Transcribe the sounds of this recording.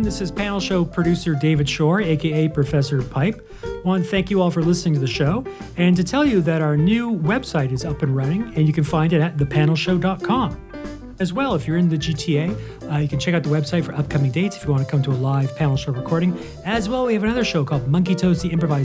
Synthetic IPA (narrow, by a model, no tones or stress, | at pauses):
ðɪsɨz̥pʰænl̩ˠʃoʊpʰɹ̥ɨɾʉsə˞deɪvɨd̥ʃɔɹeɪkʰeɪeɪpʰɹ̥ɨfɛsə˞pʰaɪp̚ | wɑ̃nθæ̃ŋkjɨɔlˠfə˞lɪsnɪ̃ŋtʰɨðɨʃoʊ | ɨ̃ntɨtʰɛlˠjɨðɨɾaə˞nʉwɛb̥saɪɾɨzʌpɨ̃nɹʌnɪ̃ŋɨ̃njɨkɨ̃nfãɪ̃ndɨɾɨt̪̚ðɨpʰænl̩ˠʃoʊdɑt̚kʰɑ̃m | ɨzwɛlˠəfjə˞ɨ̃nðɨd͡ʒitʰieɪ | jɨkʰn̩t͡ʃʰɛkaʊt̪̚ðəwɛb̥saɪtfə˞ʔʌp̚kʰʌ̃mɪ̃ŋdeɪtsɨfjɨwɑ̃ntɨkʰʌ̃mtʰəəlaɪv̥pʰænl̩ˠʃoʊɹɨkʰɔɹɾɪ̃ŋ | ɨzwɛlˠwiɨvɨnʌðə˞ʃoʊkʰɔlˠd̚mʌ̃ŋk̬itʰoʊziɪ̃mpɹəvaɪz